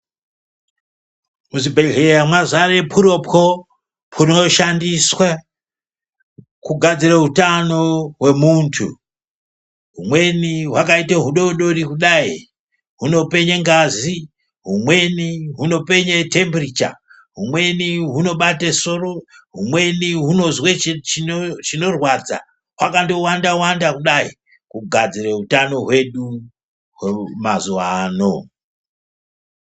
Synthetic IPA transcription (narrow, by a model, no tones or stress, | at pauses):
muzibʱeɮejamwazaɾepʰuɾo̞pko | pʰuno̞ʃandiswa | kuɡʱad͡ziraɦutano̞ɦwe̞muntʰṵ | ɦumwe̞niɦwakaiteɦuɗo̞ɗorikuɗai | ɦuno̞pe̞ɲeŋɡazi | ɦumwe̞niɦuno̞pe̞ɲetʰembrit͡ʃa̰ | ɦumwe̞niɦuno̞ɓateso̞ro̞ɦumwe̞niɦuno̞zwet͡ʃt͡ʃit͡ʃino̞rwad͡za̰ | wakando̞wandawandakuɗai | kuɡʱad͡zireutano̞ɦwe̞ɗu | wemazuʋano